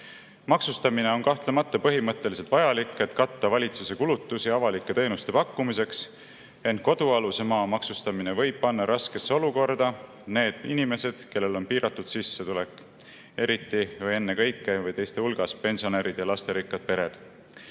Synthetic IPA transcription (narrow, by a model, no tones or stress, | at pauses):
mɑksust̪ɑmine̞o̞nkɑht̪le̞mɑt̪ːˑɑpɤɦimɤt̪ːe̞lise̞lt̪vɑjɑlikːˑe̞t̪kɑt̪ːɑvɑlʲit̪suse̞kulut̪ːˑusiɑvɑlikːˑe̞t̪e̞ːnust̪e̞pɑkːumise̞ks | e̞nt̪̚ko̞d̪̥uɑlusemɑːmɑksust̪ɑmine̞vɤ̞jb̥̚pɑnːɑɾɑske̞sːeo̞luko̞rd̪ɑ | ne̞ːd̪̥inime̞se̞d̪̥ke̞lːe̞lo̞npiːɾʔɑt̪ːˑud̪̥sisːet̪ule̞kːˑ | e̞ɾit̪ːivɤje̞nːe̞kɤ̞jkːevɤjt̪e̞jst̪e̞ulɡ̥ɑspe̞nʲsio̞neɾid̪̥jɑlɑst̪e̞ɾikːˑɑd̪̥̚pe̞ɾe̞d̪̥